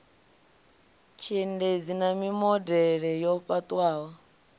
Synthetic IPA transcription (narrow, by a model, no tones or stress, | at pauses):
t͡ʃʰinded͡zinamimɔdɛɺɛjɔɸʼat̪ʼwaːwɔ